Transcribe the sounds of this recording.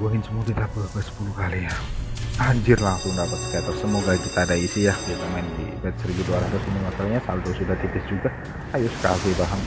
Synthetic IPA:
wəɦɪnsəmuakit̪abəbəsə̥pulukalijahaɲd͡ʒɪrlaŋsʊŋdapat̪̚sə̥kat̪ɔsəmoɡakit̪aːdaisijahit̪umaɪndḭbɛt̪̚səɾiɡiduaɾahd̪ɔsinimasalahɲasa̰lut̪əɾʊsudaht̪ip̪ɪsd͡ʒuɡa | hajʊsə̥ka̰lɪbaɦan

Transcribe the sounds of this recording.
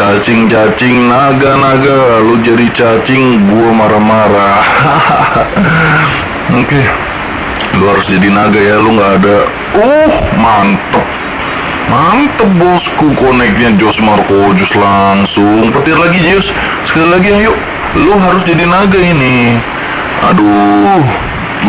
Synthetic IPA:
t͡ʃat͡ʃɪŋt͡ʃat͡ʃɪŋnaɡanaɡalud͡ʒadit͡ʃat͡ʃɪŋbuamaɾamaɾa | oke | lʊɦaɾʊsd͡ʒadinaɡajaluŋɡaːda | ɔhmant̪əp̚ | mant̪əp̚bɔskukonɛk̚ɲad͡ʒɔsmarkod͡ʒɔslaŋsʊŋpət̪ɪrlaɡid͡ʒʊs | sə̥kalilaɡiajoʔ | lʊɦaɾʊsd͡ʒadinaɡaini | a̰du

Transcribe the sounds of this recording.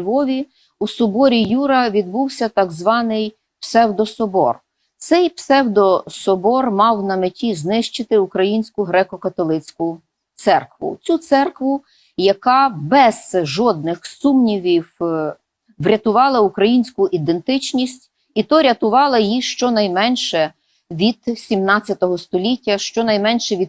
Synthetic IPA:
ʋɔʋʲi | usʊbɔɾʲijuɾɐʋʲid̪̚buwsʲɐt̪ɐɡzʋɑnɪj | psɛwd̪ɔsɔbɔ̰r | t̪sɛjpsɛwd̪ɔsɔbɔrmɑwnɐmetʲiznɪʃt͡ʃɪt̪ɪukɾɐjinʲsʲkʊɦɾɛkɔkɐt̪ɔlˠɪt͡sʲkʊ | t̪sɛrkʋʊ̰t͡sʲut̪sɛrkʋʊ | jɐkɑbɛz̥ʒɔd̪̚nɪxsumnʲiʋʲiw | ʋɾʲɐt̪ʊʋɑlˠɐukɾɐjinʲsʲkʊʔid̪ent̪ɪt͡ʃnʲisʲtʲ | it̪ɔɾʲɐt̪ʊʋɑlˠɐjiʃt͡ʃɔnɐjmɛnʲʃɛ | ʋʲid̪̥sʲimnɑt͡sʲjɐt̪ɔɦɔst̪ɔlʲitʲːɐʃt͡ʃɔnɐjmɛnʲʃɛʋʲid̪

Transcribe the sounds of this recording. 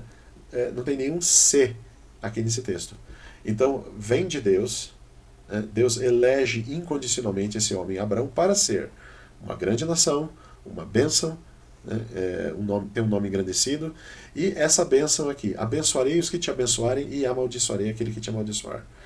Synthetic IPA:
ɛnɐ̃w̃t̪ẽj̃nẽj̃ũse | akines̬ɪt̪est̪ʊ̥ẽnt̪ɐ̃w̃vẽj̃d͡ʒɪd̪ews | nɛd̪ewzelɛʒɪʔĩŋkõnd͡ʒisionawmẽnt͡ʃɪesɪõmẽj̃abɾaɐ̃w̃paɾɐseɾ | ũmɐ̰ɡɾɐ̃nd͡ʒɪnasɐ̃w̃ | ṵ̃mɐ̰bẽsɐ̃w̃ | nɛ̰ɛ̰ũnõmɪt̪ẽj̃ũnõmɪ̃ŋɡɾɐ̃nd̪esid̪ʊɪʔɛsɐbẽsɐ̃w̃akiʔa̰bẽsuaɾejʊskɪt͡ʃɪabẽsuaɾẽj̃ɪamawd͡ʒisuaɾejakelɪkɪt͡ʃɪamawd͡ʒisua̰ɾ

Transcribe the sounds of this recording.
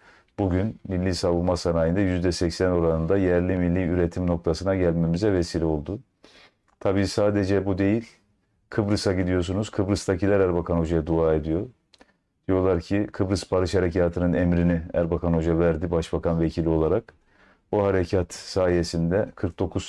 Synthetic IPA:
b̥uɟynmilʲːiːsavulˠmasanaːjɯnd̪ajyzd̪ɛsɛcsæno̞ɾanɯnd̪ajɛɾlʲimilʲːiyɾe̞t̪ʰimno̞k̚t̪ʰasɯnaɟælʲmemizɛvesiːlʲɛo̞lˠd̪u | t̪ʰabiːsaːd̪e̞d͡ʒɛbud̪e̞jilʲ | kʰɯbɾɯsaɟid̪ijo̞s̬unuz̥kʰɯbɾɯst̪ʰacʰilʲæɾæɾbakʰano̞d͡ʒajad̪uaːe̞d̪ijo̞ | d̪̥ijo̞lˠaɾcʰikʰɯbɾɯspʰaɾɯʃhaɾecʰaːt̪ʰɯnɯnɛmɾiniæɾbakʰano̞d͡ʒavæɾd̪ibaʃbakʰanvecʰilʲio̞lˠaɾak̚ | buɦaɾecʰat̪saːjesind̪ɛkʰɯɾk̚d̪o̞kʰuz̥

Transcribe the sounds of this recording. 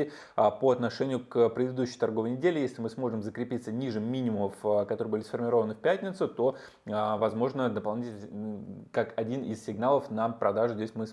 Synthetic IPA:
ɪ | poɐt̪nɐʂɛnʲɪjʊkəpɾʲɪd̪ɨd̪uɕːɪjt̪ɐrɡovəjnʲɪdʲelʲɪjesʲlʲɪmɨsmo̞ʐɨmzəkɾʲɪpʲit̪sənʲiʐɨːinʲɪmʊməfkɐt̪oɾɨəbɨlʲɪsfərmʲɪɾo̞vənɨfʲpʲætʲnʲɪt̪sʊt̪o̞ | vɐzmo̞ʐnəd̪əpɐlˠnʲitʲɪ | kakɐdʲinɪssʲɪɡnalˠəfnəpɾɐd̪aʐʊzʲdʲesʲmɨ

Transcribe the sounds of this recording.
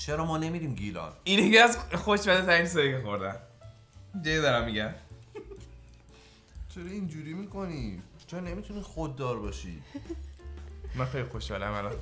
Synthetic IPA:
t͡ʃʰeɾɒmɒːne̞miːd̪iːmɟilɒ̰ninekeæzxoʃbæd̪et̪æɾikseɾikexoɾd̪æn | d͡ʒɒjed̪ɒɾæmːiɟæm | t͡ʃʰeɾɒind͡ʒuːɾiːmikʰo̞niːt͡ʃʰeɾne̞mit̪ʰuniːxod̪ːɒːɾbɒːʃḭ̥ | mænxejlʲixo̞ʃhɒːlæ̰mælɒn

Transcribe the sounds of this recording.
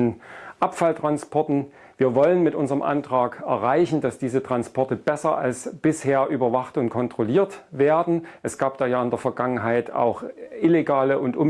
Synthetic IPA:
nʔapfaltʁ̥anspʰɔɐtn̩ | viːɐvɔlənmɪtʔʊnzəʁəmʔa̰ntʁ̥aːkɛɐʁaɪçn̩dasd̥iːzətʁ̥anspʰɔɐtəb̥ɛsɐʔa̰lsb̥ɪsheːɐʔyːbɐvaχtʊntkʰɔntʁ̥oliːɐtveːɐdn̩ʔɛsɡ̥aːp̚d̥aːjaːɪndeɐfɛɐɡaŋənɦaɪta̰ʊxʔɪleɡaːləʊntʔʊm

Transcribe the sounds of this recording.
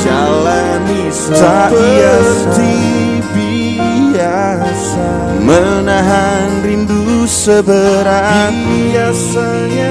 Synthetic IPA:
d͡ʒala | nist̪aiasd̪i | bi | a | sa | mənaɦa | nrindusəbəɾa | biasa | ɲa

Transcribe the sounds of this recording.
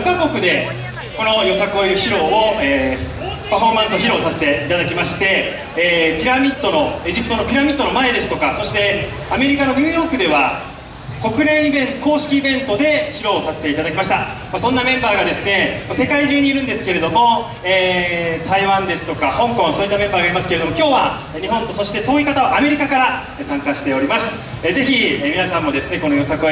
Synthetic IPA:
kaɡo̞kɯ̟d̪e̞ | ko̞no̞jo̞sakɯojiɾɯ̟çiɾo̞ːoeː | paɸo̞ːmãsɨo̞çiɾo̞ːsase̞̥t̪e̞it̪ad̪akʲimaɕi̥t̪e̞ː | pʲiɾamʲit̪ːo̞no̞e̞ʑipɯ̟t̪oo̞pʲiɾamʲit̪ːo̞no̞mae̞d̪e̞sɨ̥t̪o̞kaso̞ɕi̥t̪e̞ | ame̞ɾʲikano̞ɲ̟ɯːjo̞ːkɯ̟d̪e̞βa | ko̞kɯ̟ɾẽɰ̃ibẽ̞nko̞ːɕi̥kʲiːbẽ̞nt̪o̞d̪e̞çiɾo̞ːsase̞̥t̪e̞it̪ad̪akʲimaɕi̥t̪a | masõ̞nːamẽ̞mbaːɡad̪e̞sɨne̞mase̞kaiʑɨːɲ̟iːɾɯ̟̃nd̪e̞sɨ̥ke̞ɾe̞d̪o̞mo̞ | eːt̪aiβãnd̪e̞sɨ̥t̪o̞kahõ̞ŋkõɰ̃soːit̪ːamẽ̞mbaːɡaɾimasɨ̥keed̪omo̞kʲo̞ːβa | ɲ̟iɦõ̞nt̪o̞so̞ɕi̥t̪e̞t̪o̞ːikat̪aβaʔame̞ɾʲikakaɾa | sãŋkaɕi̥t̪e̞o̞ɾʲimasɨ̥ | ze̞çiemʲinasãmːo̞d̪e̞sɨne̞ko̞no̞jo̞sakɯ

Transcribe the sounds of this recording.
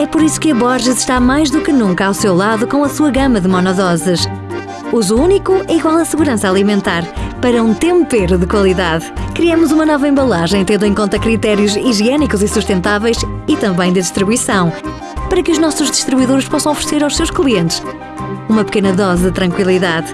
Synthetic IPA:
ɛpɔɾisu̥kɨɐβɔɾʒɨzʃt̪amajʒðukɨnũŋkɐawsewlˠaðukõw̃ɐsuɐɣɐmɐðɨmɔnɔðɔzɨʃ | uzuunikuʔɛiɣwalˠɐsɨɣuɾɐ̃saalˠimẽnt̪aɾpɐɾɐũt̪ẽmpeɾuðɨkwɐlˠiðaðkɾiɐmuzumɐnɔvɐẽmbɐlˠaʒɐ̃j̃t̪ẽnd̪uẽŋkõnt̪ɐkɾit̪ɛɾijuziʒiɛnikuzisuʃt̪ẽnt̪avɛjʃit̪ɐ̃mbɐ̃j̃d̪ɨðiʃt̪ɾiβuisɐ̃w̃ | pɐɾɐkɨuʒnɔsuʒðiʃt̪ɾiβuiðoɾʃpɔsɐ̃w̃ɔfɾɨ̥seɾawʃsewʃklˠiẽnt̪ɨʃ | umɐpɨ̥kenɐðɔzɨðɨt̪ɾɐ̃ŋkwilˠiðað

